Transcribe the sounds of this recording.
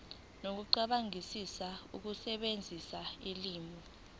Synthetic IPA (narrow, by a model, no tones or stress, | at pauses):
nok̬uǃaɓaŋisisauk̬usɛɓend͡zʱisailiːmʱɔ